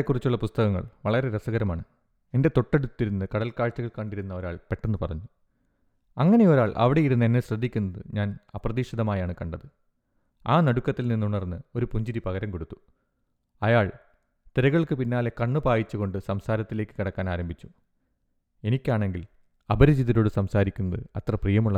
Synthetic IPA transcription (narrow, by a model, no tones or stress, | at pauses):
kːurit͡ɕːuɭːɐpust̪ɐɣɐŋːɐ̰ɭʋɐɭɐɾe̞ɾɐsɐɣɐɾɐmaːɳɨ | e̞nde̞t̪o̞ʈːeɽut̪ːiɾunːɨkɐɽɐlkaːɭt͡ɕːɐɣɐɭkɐɳɖiɾunːɐɐɾa̰ːɭpe̞ʈːenːɨpɐrɐɲːu | ɐŋːɐnejo̞ɾaːɭʔɐ̰ʋiɽe̞jiɾunːɐenːeɕrɐd̪ʱːikʲːunːɐðɨ̰ɲaːnɐpːrɐðiːʂɐðɐmaːjaːɳɨkɐɳɖɐðɨ | aːnɐɽukːɐt̪ːilninːuɳɐrnːɨo̞ɾupuɲd͡ʑiɾipɐɣɐɾɐmko̞ɽut̪ːu̥ | ɐjaːɭ | t̪iɾɐɣɐɭkɨpinːaːlekɐɳːɨpaːjit͡ɕːuɣo̞ɳɖɨsɐmsaːɾɐt̪ːile̞ːkːɨ̥kiɽɐkːaːnaːɾɐmbʱit͡ɕːu | e̞nikʲːaːɳe̞ŋɡil | ɐbɐɾɐd͡ʑiðɐɾo̞ːɽɨsɐmsaːɾikʲːunːɐðɨɐt̪rɐprijɐmuɭːɐ